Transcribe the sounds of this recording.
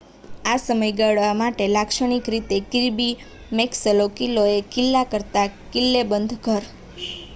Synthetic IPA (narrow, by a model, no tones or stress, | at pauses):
asəməjɡəɭʋamaʈelakʃəɽ̃ikɾit̪ekiɾbi | meksəlokiloekilːakəɾt̪akɪlːebənd̪ʱkəɾ